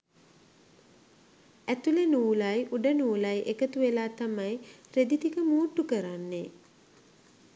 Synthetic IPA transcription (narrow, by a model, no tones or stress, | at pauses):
æt̪ulenuːlajʔuɖənuːlajʔekət̪uʋelaːt̪amajɾed̪it̪ikəmuːʈːukəɾanːe